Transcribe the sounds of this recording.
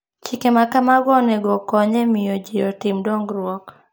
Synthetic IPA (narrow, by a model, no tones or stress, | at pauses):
t͡ʃikemakamaɡɔnɛɡɔkɔɲemɪjɔd͡ʒijɔtɪmdɔŋɡɾʊɔk